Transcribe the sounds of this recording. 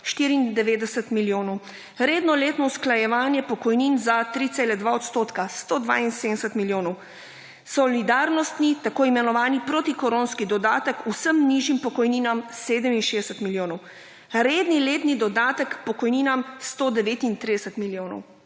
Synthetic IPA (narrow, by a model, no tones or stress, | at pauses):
ʃt̪iːɾiiːnd̪ɛʋeːd̪ɛsɛt̪miljoːnɔw | ɾeːd̪nɔleːt̪nɔusklajɛʋaːnjɛpɔkɔjninzat̪ɾit̪selɛd̪ʋaɔt̪st̪oːt̪kast̪oːd̪ʋa̰insed̪ɛsɛt̪miljoːnɔw | sɔlid̪aːɾnɔst̪nit̪akoːimɛnɔʋaːnipɾot̪ikɔɾonskid̪ɔd̪aːt̪əkusəmniʒimpɔkɔjniːnamseːd̪əminʃeːd̪ɛsəɛt̪miljoːnɔw | ɾeːd̪nileːt̪nid̪ɔd̪aːt̪əkpɔkɔjniːnamst̪od̪ɛʋeːt̪int̪ɾid̪ɛsət̪miljonɔ̰w